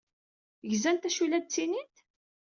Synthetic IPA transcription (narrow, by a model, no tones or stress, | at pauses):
ʝzænt̪æʃulæd̪̚t͡sːinit̪